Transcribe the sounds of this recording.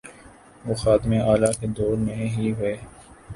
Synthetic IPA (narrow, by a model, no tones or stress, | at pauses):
ʋoːxaːt̪ɪmẽaːlaked̪oːɾmẽɦiɦʊeː